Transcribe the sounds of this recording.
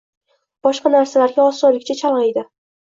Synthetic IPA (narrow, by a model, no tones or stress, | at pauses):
b̥ɒʃqɑnaɾsalaɾɡʲaɒsɒlɪkʲt͡ʃʰat͡ʃʰalˠʁɨjd̪ɪ